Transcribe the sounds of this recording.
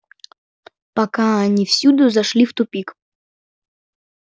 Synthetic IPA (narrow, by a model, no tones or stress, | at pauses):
pɐkaɐnʲifsʲud̪ʊzɐʂlʲift̪ʊpʲik